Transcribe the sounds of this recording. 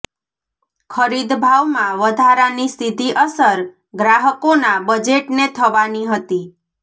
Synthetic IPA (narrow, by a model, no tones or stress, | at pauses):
kʰəɾid̪bʱaʋmãʋəd̪ʱaɾanisid̪ʱiʔəsəɾ | ɡɾaɦəkonabəd͡ʒeʈnet̪ʰəʋaniɦət̪i